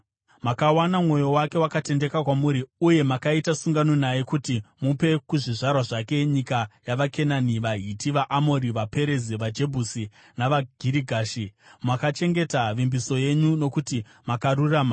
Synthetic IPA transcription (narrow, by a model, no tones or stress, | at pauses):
makawanamŋo̞jo̞wake̞wakate̞nde̞kakwamuɾiuje̞makaitasuŋɡano̞najekutimupe̞kuʐiʐarwaʐake̞ɲikajaʋakʰe̞naniʋaɦitiʋaʔamoɾiʋape̞ɾe̞ziʋad͡ʒe̞bʱusi | naʋaɡ̥ʱiɾiɡʱaːʃimakat͡ʃe̞ŋɡe̞taʋimbiso̞je̞ɲuno̞kuti | makaruraːma